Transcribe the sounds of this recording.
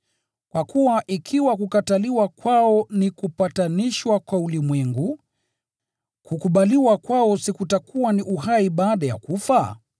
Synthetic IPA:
kwʔakuwaʔikʰiwakukataliwakwaɔnikupataniʃwakwaulimwɛŋɡu | kukuɓaliwakwaɔsikutakuwaniʔuɦaiɓaːɗaja̰kufa

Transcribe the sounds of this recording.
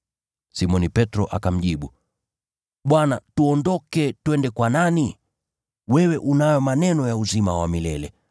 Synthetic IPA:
simɔnipɛtɾɔʔa̰kam̩ʄiɓu | ɓwanatuɔndɔkɛtwɛndɛkwanani | wɛwɛʔunajɔmanɛnɔjauzimawa̰milɛlɛ

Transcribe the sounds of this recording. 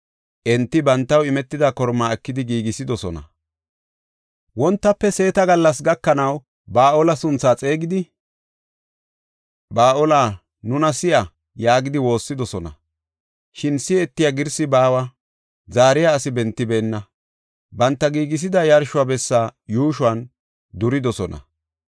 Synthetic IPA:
ʔɛnt̪ːɪbɐnt̪ːɐwɪmɛt̪ːɪd̪akɔɾmaːɛkːɪd̪ɪɡiːɡɪsɪd̪ɔsɔnɐ̰ | wɔnt̪ːɐpːɛse̞ːt̪ɐɡɐlːɐs̬ɡɐkːɐnɐw | baːʔɔlɐsʊnt͡sːaːt͡sʼe̞ːɡɪd̪ɪ | baːʔɔla | nʊnɐsɪjɐ | jaːɡɪd̪ɪwo̞ːsːɪd̪ɔsɔnɐ̰ | ʃɪnsɪɛt̪ːɪjaɡɪɾsɪbaːwɐ | zaːɾɪjaːsɪbɛnt̪ːɪbeːnːɐ | bɐnt̪ːɐɡiːɡɪs̬ɪd̪ɐjɐɾʃʊwabɛsːaːjuːʃʊɐn | d̪ʊɾɪd̪ɔsɔnɐ̰

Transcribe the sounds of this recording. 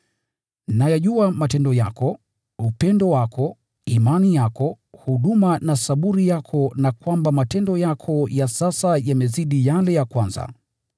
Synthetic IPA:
najaʄuamatɛndɔjakɔ | upɛndɔwakʰɔ | imanijakɔ | huɗumanasaɓuɾijakʰɔnakwambamatɛndɔjakʰɔjasasajamɛziɗijalɛjakwanza̰

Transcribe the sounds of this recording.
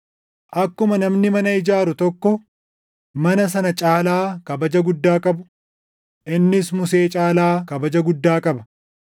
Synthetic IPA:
ʔɐkːʊmɐnɐmnɪmɐnɐɪd͡ʒaːɾʊt̪ɔkːɔ | mɐnɐs̬ɐnɐt͡ʃʼaːlaːkɐbɐd͡ʒɐɡʊd̪ːaːkʼɐbʊ̥ | ʔɪnːɪsmʊse̞ːt͡ʃʼaːlaːkɐbɐd͡ʒɐɡʊd̪ːaːkʼɐbɐ̥

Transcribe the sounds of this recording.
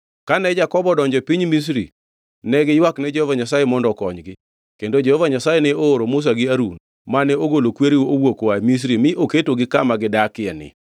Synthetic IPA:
kanɛd͡ʒakɔbɔdɔɲd͡ʒɔpiɲmis̬ɾḭ | nɛɡɪjwaknɛd͡ʒehovaɲasajemɔndɔkɔɲɡɪ | kendod͡ʒehovaɲasajenɛoːɾomʊs̬aɡɪaɾun | manɛoɡolokweɾiwowokowamis̬ɾimɪʔoketoɡɪkamaɡɪdakɪɛnɪ̰

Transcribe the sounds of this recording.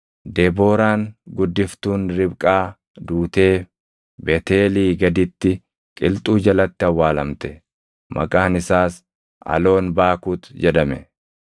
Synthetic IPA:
d̪eːbo̞ːɾaːŋɡʊd̪ːɪft̪uːnɾɪbkʼaː | d̪uːt̪e̞ː | bɛt̪eːliːɡɐd̪ɪt̪ːɪ | kʼɪlt̪ʼuːd͡ʒɐlɐt̪ːɪɐwːaːlɐmt̪ɛ̥ | mʔɐ̰kʼaːnɪsaːs | ɐ̰lo̞ːnbaːkuːt̪d͡ʒɛd̪ɐmɛ

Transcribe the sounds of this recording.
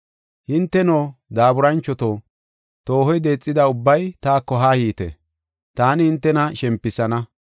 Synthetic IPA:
hɪnt̪ːɛnoːd̪aːbʊɾɐnt͡ʃːɔt̪oː | t̪o̞ːhɔjd̪e̞ːt͡sʼːɪd̪ɐʊbːɐjt̪aːkːɔɦaːhiːt̪ɛ̰ | t̪aːnɪhɪnt̪ːɛnɐʃɛmpːɪsɐnɐ

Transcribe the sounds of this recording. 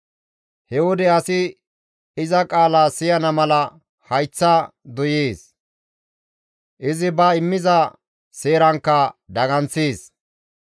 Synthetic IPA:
hɛwɔd̪ɛɐsɪ | ɪzɐkʼaːlaːsɪjɐnɐmɐlɐ | hɐjt͡sːɐd̪ɔjeːs | ʔɪzɪbɐɪmːɪzɐ | seːɾɐŋkːɐd̪ɐɡɐnseːs

